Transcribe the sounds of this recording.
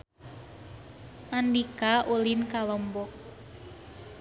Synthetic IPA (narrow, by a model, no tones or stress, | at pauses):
mandikaʔulinkalɔmbɔk̚